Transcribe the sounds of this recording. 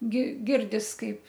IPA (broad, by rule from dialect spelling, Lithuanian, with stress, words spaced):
ɡʲɪ ˈɡʲɪrʲdʲɪs ˈkɐɪp